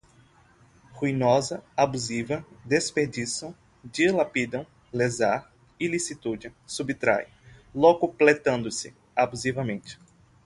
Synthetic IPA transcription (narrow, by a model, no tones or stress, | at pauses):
huinɔzɐabuzivɐd̪espeɾd͡ʒisɐ̃w | d͡ʒilapid̪ɐ̃w̃ | lezaɾ | ɪlisit̪ud͡ʒɪsubit̪ɾa̰j | lokʊplet̪ɐ̃nd̪ʊsɪ | abuzivɐmẽnt͡ʃɪ̥